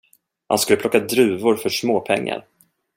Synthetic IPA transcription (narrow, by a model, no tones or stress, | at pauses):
ha̰nskɵləplɔkːad̪ɾʉ̟ːvʊɾfœʂmoːpʰɛŋːa̰ɾ